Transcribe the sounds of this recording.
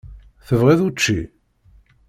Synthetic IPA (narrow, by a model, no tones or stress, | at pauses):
θəvʁiðut͡ʃːi